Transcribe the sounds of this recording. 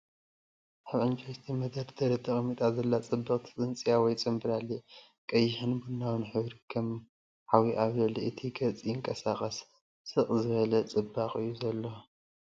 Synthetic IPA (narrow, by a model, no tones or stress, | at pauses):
ʔaβʕɨnt͡ʃʼɐst̪ʰimɐd̪ɐɾd̪ʰɐɾit̪ʰɨχʼmit̪ʼazɐlːat͡sʼɨbːɨχʼt̪ʰɨ̥t͡sʼɨnt͡sʼijawɔjt͡sʼɨmbɨɾalːi | kʼɐjːɪħɨnbunːawɨnħɨβɾikʰɐm | ħawiʔaβzɐliʔɨt̪ʰiɡɐt͡sʼijɪŋkʼɐsaχʼɐsː | ɨχʼzɨβɐlɐt͡sʼɨbːaχʼɨjːuzɐlːo̞